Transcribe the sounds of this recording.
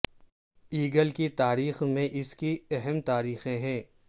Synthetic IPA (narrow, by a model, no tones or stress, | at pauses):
iːɡəlkit̪aːɾiːxmẽʔɪskiɛɦɛmt̪aːɾiːxẽɦɛ̃ː